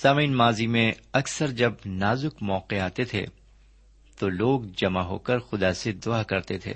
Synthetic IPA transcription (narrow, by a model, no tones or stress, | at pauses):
saːmĩːnmaːzimẽɐksəɾd͡ʒɐb̚naːzʊkmɔːqeaːt̪et̪ʰḛ | t̪oloːɡd͡ʒɐmaɦo̰ːkɐɾxʊd̪ased̪ʊakɐɾt̪et̪ʰḛː